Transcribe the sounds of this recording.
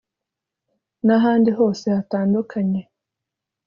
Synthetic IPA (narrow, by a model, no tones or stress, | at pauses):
naɦaːndiɦo̞ːse̞hataːndukʰaɲe